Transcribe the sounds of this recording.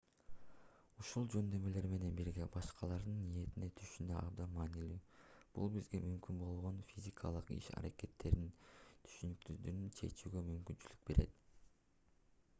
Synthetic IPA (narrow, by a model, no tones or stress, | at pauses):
uʃulˠd͡ʒø̞nd̪ø̞me̞le̞ɾme̞ne̞nbiɾɡe̞bɑʃqɑlˠɑɾd̪ɯnːije̞t̪ine̞t̪ʰyʃynd̪øʔɑbd̪ɑnmɑːnilyːb̥ṵlˠbizɡe̞mymkynbo̞lˠʁo̞nfʲizʲikʰɑ̰lˠɯqḭʃɑ̰ɾake̞t̪ːe̞ɾd̪int̪ʰy̥ʃynyk̚t̪yd̪ynynt͡ʃʰe̞̰t͡ʃyːɡømymkynt͡ʃyly̥k̚be̞ɾʔe̞t̪